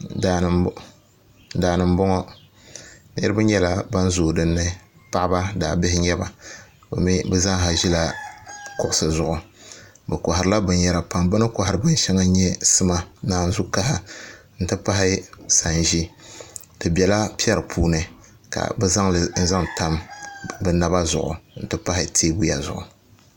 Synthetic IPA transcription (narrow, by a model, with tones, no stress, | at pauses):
a˨ | daː˨nɨ˨m˦bɔ˦ŋɔ˦ | nḭ˦ɾɨ˦bɨ˦ɲɛ˦la˦ba˦n˦zoː˨dɨ˦nːɨ˦pa˦ʔba˦daː˨bɪ˦hɪ˦ɲɛ˦ba˨ | bɛ̰˨mi˦bɨ˦za˦ŋɦa˨ʒi˦la˦kʊ˨ʔʊ˨sɨ˨zʊ˨ʔʊ˨ | bɛ˨kɔ˨ɦa˨ɾɨ˦la˦bɨ˨njɛ˨ɾa˨pa˨mbɨ˦nɨ˦ka˨ha˨ɾɨ˨bɨ˦n˦ʃɛ˦ŋa˦ɲɛ˦sɨ˦ma˨naː˨n̩˦zu˦ka˦ha˦ | n̩˨tɨ˦pa˦ɦɪ˦sa˨n˨ʒi˦ | tɨ˨bʲɛ˨la˦pi˦ɛ˦ɾɨ˨pʰuː˦nɨ˨ | ka̰˨bɛ˦za˦ŋln̩˦za˦ŋta˦mbɨ˨na˨ba˦zʊ̰˨ʔʊ̰˨n̩˨tɨ˦pa˦hɪ˦tʰeː˦bu˦ja˨zʊ̰˨ʔʊ̰˨